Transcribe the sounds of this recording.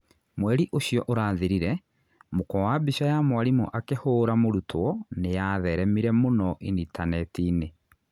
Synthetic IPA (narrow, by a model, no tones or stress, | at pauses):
mwɛɾiʔoɕjɔʔoɾaːðeɾiɾɛ | mokɔwabiʃajamwaɾimɔ̰ʔakehoːɾamoɾutʰwɔnejaðɛɾɛmiɾɛmonɔʔinitanɛtiːne